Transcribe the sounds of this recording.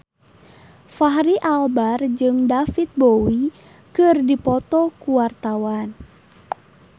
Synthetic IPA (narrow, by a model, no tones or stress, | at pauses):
faɦɾiʔalbard͡ʒɨŋdafit̪̚bowi | kɨrdipɔt̪ɔkuwart̪awan